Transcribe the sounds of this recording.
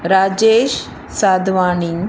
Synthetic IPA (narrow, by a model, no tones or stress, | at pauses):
ɾaːd͡ʑeːʃ | saːd̪ʱʋaːniŋ